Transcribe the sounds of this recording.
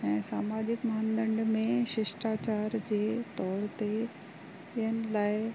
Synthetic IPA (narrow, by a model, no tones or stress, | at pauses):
ɛ̃ːsaːmaːd͡ʑɪkmaːnd̪ə̃ɳɖmẽʃɪʃʈaːt͡ɕaːɾd͡ʑeːt̪ɔːɾt̪e | ɪɦənɪ̆laːɪ